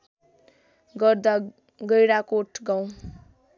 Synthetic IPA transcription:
ɡʌrd̪a | ɡʌjɽakoʈʰɡaw̃

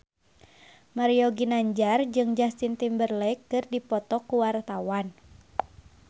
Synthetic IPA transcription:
maɾioɡinaɲd͡ʒard͡ʒɨŋd͡ʒast̪int̪imbərlɛjkːɨrdipɔt̪ɔkuwart̪awan

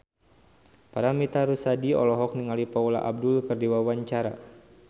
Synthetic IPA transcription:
paɾamit̪aɾusadiɔ̰lɔɦɔk̚niŋalipaula̰ʔab̚dʊlkərdiwawaɲt͡ʃaɾa̰

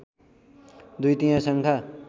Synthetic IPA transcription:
d̪ujt̪ijãsʌŋkʰa

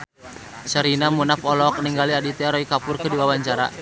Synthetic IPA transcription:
t͡ʃəɾinamunafɔlɔk̚niŋɡaliadit̪ɛaɾɔikapurkɨdiwawaɲt͡ʃaɾa̰

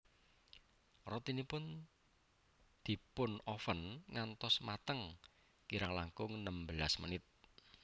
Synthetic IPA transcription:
rɔt̪inipʊn | d̪̥i̤pʊnɔfənŋant̪ɔsmat̪əŋ | kiɾaŋlaŋkʊŋnəmbəlasmə̰nɪt̪̚

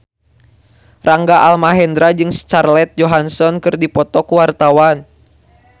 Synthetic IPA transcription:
raŋɡaʔalmaɦɛnd̪ɾad͡ʒɨŋst͡ʃarlɛt̪̚d͡ʒɔɦansɔnkɨrdipɔt̪ɔkuwart̪awan

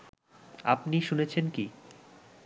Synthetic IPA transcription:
a̰pniʃunet͡ɕʰenki

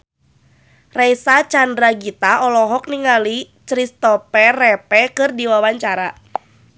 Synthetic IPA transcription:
rɛjsat͡ʃandɾaɡit̪aɔlɔɦɔk̚niŋali | t͡ʃɾist̪ɔpɛrɛpɛkɨrdiwawaɲt͡ʃaɾa

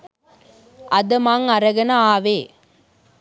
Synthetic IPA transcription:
ɐd̪ɐmaːŋɐɾɐɣɐnɐaːʋeː

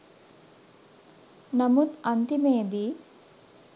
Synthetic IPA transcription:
nɐmut̪ɐnt̪imeːd̪i

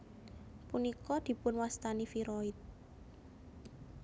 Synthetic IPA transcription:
punikɔd̪̥i̤pʊnwast̪anifiɾɔɪt̪̚

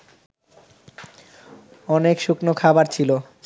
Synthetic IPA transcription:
ɔnekʃuknokʰabaɾt͡ɕʰilo

